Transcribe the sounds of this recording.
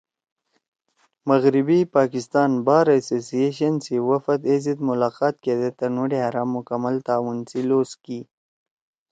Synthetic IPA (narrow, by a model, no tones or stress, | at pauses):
məɣɾibipɑːkɪst̪ɑːnbɑːɾasosijeʃɐnsiwafat̪ezid̪mʊlɑːqɑːt̪̚ked̪et̪ənuɖehaɾɑːmːʊkamalt̪aːwunsiloski